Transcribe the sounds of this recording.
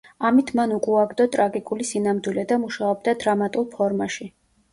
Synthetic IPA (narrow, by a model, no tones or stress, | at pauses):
amit̪ʰmanukʼuaɡd̪ɔt̪ʼɾaɡikʼulisinamd̪wilɛd̪amuʃaɔb̚d̪ad̪ɾamat̪ʼulˠpʰɔɾmaʃi